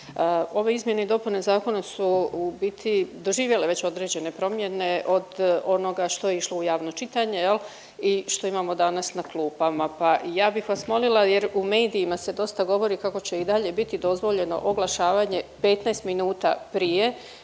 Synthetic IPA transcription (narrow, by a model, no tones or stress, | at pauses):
o̞ʋe̞izmje̞ne̞id̪o̞pune̞zaːko̞nasubit̪ʰid̪o̞ʒiːʋje̞le̞ʋe̞t͡ɕo̞d̪ɾe̞ːd͡ʑe̞ne̞pɾo̞mje̞ne̞ʔo̞d̪o̞no̞ɡaʃt̪o̞jeiʃlo̞ujaːʋno̞t͡ʃit̪aɲe̞jel | iʃt̪o̞imaːmo̞d̪anasnaklˠuːpamapajaːbixʋasmo̞lilˠajeɾume̞ːd̪iːmase̞d̪o̞st̪aɡo̞ʋo̞ɾikako̞t͡ɕe̞id̪aʎe̞bit̪id̪o̞zʋo̞ʎe̞no̞̰ʔoɡlˠaʃaːʋaɲe̞pe̞t̪nast̪minuːt̪a̰pɾije̞